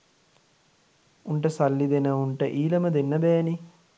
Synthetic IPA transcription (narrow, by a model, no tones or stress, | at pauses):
uɳʈəsalːid̪enəuɳʈəʔiːləməd̪enːəbɛːni